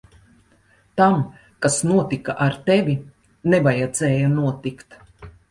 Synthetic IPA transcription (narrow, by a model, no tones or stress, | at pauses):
t̪am | kasnuɔt̪ikaʔaɾt̪evʲi | nevajad̪zɛːjanuɔt̪ikt̪